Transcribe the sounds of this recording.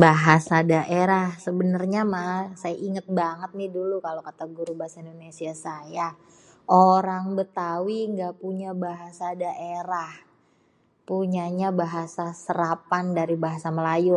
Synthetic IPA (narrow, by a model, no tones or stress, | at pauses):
baɦasadaʔeɾahsəbənərɲamasajaʔiŋət̪̚baŋət̪̚nɪhdulukalokat̪aɡuɾubaɦasaindonesiasaja | ʔoɾaŋbət̪awiŋɡapuɲabaɦasadaʔeɾah | puɲaɲabaɦasasəɾapandaɾibaɦasaməlajʊ